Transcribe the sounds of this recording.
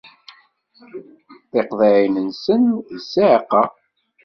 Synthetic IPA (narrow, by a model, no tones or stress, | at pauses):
θeqðˤeʕinənsənsaʕqːɑ